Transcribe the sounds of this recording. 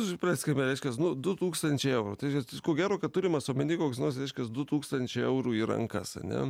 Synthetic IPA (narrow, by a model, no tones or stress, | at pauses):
pʲrɑːsʲkʲɪmʲɛɾɛɪʃkʲɛsnʊd̪ʊt̪uːkst̪ɐnʲt͡ʃʲɛɪɛʊɾuːt̪ɪʃɛkoːɡʲæːɾoːkɐt̪̚t̪ʊɾʲɪmɐsoːmʲɪnʲiːkoːksnoːrsɾʲɛɪʃkʲɐsd̪ʊt̪uːkst̪ɐnʲt͡ʃʲɛɪɛʊɾuːiːɾɐ̰ŋkɐ̰sɐ̰nʲɛ̰